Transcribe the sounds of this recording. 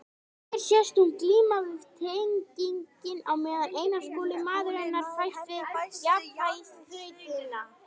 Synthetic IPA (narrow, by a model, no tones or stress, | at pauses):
ɛɾ̥sjɛst̪umkliːmavɪð̥t̪ʰeɲciɲcɪnawmɛːðanʔeːjnaskɔːlɪmaːðʏɾɛnːaɾ̥fajst̪vɪɣjapajshɪːt̪ɪna